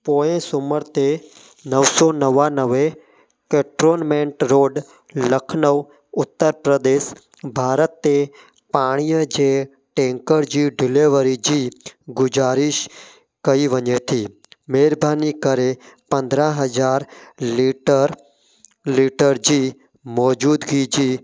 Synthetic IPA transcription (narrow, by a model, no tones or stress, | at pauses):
poːẽsʊməɾt̪e | nəʋsɔːnəʋanəʋe | keːʈɾoːnmẽɳʈɾoːɖ | ləkʰnəʋ | ʊt̪ːəɾpɾəd̪eːs | bʱaːɾət̪ːe | paːɽ̃ijəd͡ʑe | ʈẽːŋkəɾd͡ʑiɖɪleʋəɾid͡ʒiːɡʊd͡ʒaːɾiʃ | kəiʋəɲet̪ʰiː | meːɾbʱaːnikəɾepɐ̃nd̪ɾãɦəd͡ʒaːɾliʈəɾ | liʈəɾd͡ʒiː | mɔːd͡ʒuːd̪ɡiːd͡ʒiː